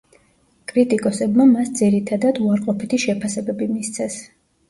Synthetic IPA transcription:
kʼɾit̪ʼikʼɔsɛbmamasd̪ziɾit̪ʰad̪ad̪uaɾqʼɔpʰit̪ʰiʃɛpʰasɛbɛbimist̪sʰɛs

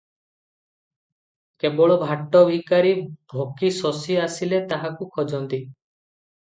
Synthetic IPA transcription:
kebɔɭɔbʱaʈːɔbikaɾibʱokisɔsiasilet̪aɦakukʰɔd͡ʒɔnt̪i

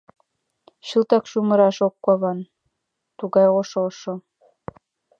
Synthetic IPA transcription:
ɕɯlt̪ɑkʃumɤ̆ɾɑʃokːɑβɑn | t̪uɣɑjoʃoʃo

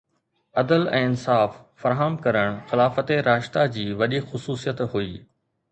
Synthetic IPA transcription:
ɐd̪əlɛ̰̃ːɪnsaːffɐɾɦaːmkɐɾəɽ̃xɪlaːfət̪eɾaːʃt̪ad͡ʑiːʋɐɗixʊsuːsijət̪ɦuiː

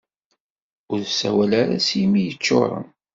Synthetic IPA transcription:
ʊɾsæwælaɾasimijət͡ʃːo̰ɾˤə̰n

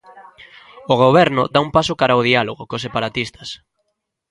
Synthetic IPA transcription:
ʊɣoβɛɾnʊðaumpasʊkaɾaoðialoɣokos̬epaɾat̪ist̪ɐs

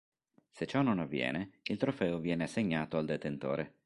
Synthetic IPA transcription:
set͡ʃːɔnːonavːjɛ̰ːneilt̪ɾofɛːovjɛːneasːeɲːaːt̪oald̪et̪ent̪o̰ːɾe

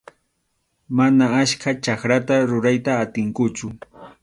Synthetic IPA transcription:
manaaʃkʰat͡ʃakɾat̪aɾʊɾajt̪aːt̪ɪŋkʊt͡ʃʊ

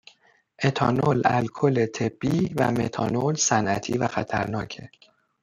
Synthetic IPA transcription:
ʔe̞t̪ʰɒ̰ːnolælkʰolet̪ʰe̞b̥ːiːvæ̰met̪ʰɒːnolsænʔæt̪ʰḭːvæxæt̪ʰæ̰ɾnɒːcʰe

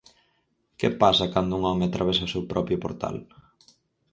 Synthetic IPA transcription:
kepasakand̪ʊuŋɔmeat̪ɾaβ̞esaosewpɾɔpɾjʊpo̰ɾt̪a̰l

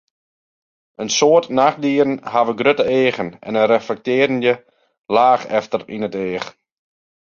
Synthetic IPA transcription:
ənsoːərtnaxdiːəɾn̩ɦaʋəɡrøtəeːɣənɛ̰nənrɛflɛk̚tɪəɾənjə | laːxɛftərinəteːx

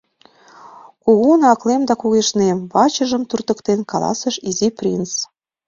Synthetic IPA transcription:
kuɣunɑklemd̪ɑkuɣeʃnemβɑt͡ɕə̆ʒə̆mt̪urt̪ɤ̆kt̪enkɑlˠɑ̰sə̆ʃiziprʲḭnt͡s

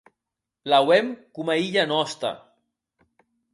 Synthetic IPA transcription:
lawemkumaiʎanɔst̪a̰

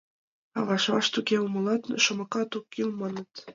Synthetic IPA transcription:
ɑβɑʃβɑʃt̪ukeumɤ̆lˠɑt̪ʃɤ̆mɤ̆kɑt̪ukːilmɑnɤ̆t̪

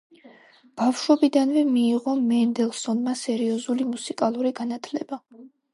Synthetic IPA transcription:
b̥afʃɔbid̪anvɛmiːʁɔmɛnd̪ɛlˠsɔnmasɛɾiɔzulimusikʼalˠuɾiɡanat̪ʰlɛba

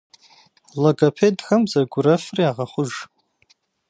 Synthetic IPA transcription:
loɡapʰedxamzaɡʷʊɾafriaʁaχʷʊʐ

